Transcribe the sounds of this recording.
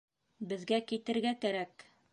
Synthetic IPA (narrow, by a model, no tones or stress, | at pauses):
bɘ̆ðɡækit̪ɘ̆ɾɡækæɾæk